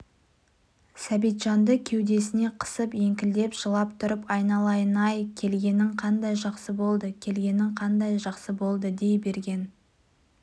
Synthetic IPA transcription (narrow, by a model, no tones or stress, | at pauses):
sæbijt̪ʒɑnd̪əkʲʰe̞wd̪e̞sɪne̞qʰə̥səpe̞ŋkʲɪld̪e̞pʒ̥əlˠɑp̚t̪ʰʊɾəpɑjnɑlˠɑjənɑjkʲʰe̞lɡʲe̞nɪŋqʰɑnd̪ɑjʒɑqsəbo̞lˠd̪əkʲʰe̞lɡʲe̞nɪŋqʰɑnd̪ɑjʒɑqsəbo̞lˠd̪əd̪e̞jbe̞ɾɡʲe̞n